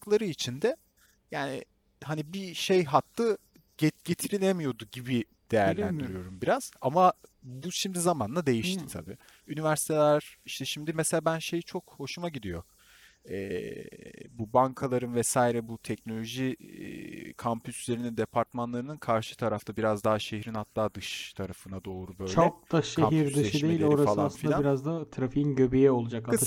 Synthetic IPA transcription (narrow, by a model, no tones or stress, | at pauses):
klˠaɾɯit͡ʃʰind̪ɛ | jaːnḭ | hanibiʃe̞jɦat̪ːˠɯ | ɟeɟ̥e̞t̪ʰiɾilʲemijo̞d̪uɟibi | d̪̥e̞jæɾlʲænd̪iɾijo̞ɾumbiɾaz̥amabuʃimd̪izamand̪ˠad̪e̞jiʃt̪it̪ʰa̰bḭː | ynivæɾsi̥t̪ʰelʲæɾ̥iʃt̪ʰɛʃimd̪imeselʲaːbænʃe̞jit͡ʃʰo̞kho̞ʃumaɟid̪ijo̞̰ | ɛː | bubaŋkʰalˠaɾɯnvɛsaːjiɾɛbut̪ʰɛcno̞lʲo̞ʒḭ | kʰampʰysylʲeɾinind̪epʰaɾt̪manlˠaɾɯnɯnkʰaɾʃɯ̥t̪ʰaɾaft̪ʰabiɾazd̪aɦaʃe̞ɦhɾinhat̪ʰːaːd̪ɯʃt̪ʰaɾafɯnad̪o̞ːɾubø̞t͡ʃjlʰoɛk̚d̪̥aʃeamɦiɾd̪ɯɯd̪eejioɾasalˠasɯfilnʲabiɾazd̪at̪ʰɾafiinɟøbijɛo̞lˠud͡ʒaka